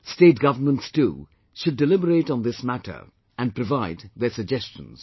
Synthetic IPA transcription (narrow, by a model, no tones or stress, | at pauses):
steːt̚ɡ̥ʌvənmə̃ntstṵ | ʃʊɖːɪlɪbəɾeːʈn̩d̪ɪsmæʈʰə̰˞ | æ̃n̚pɾɔvaɪd̪ðəsəɡd͡ʒɛst͡ʃə̃nz̥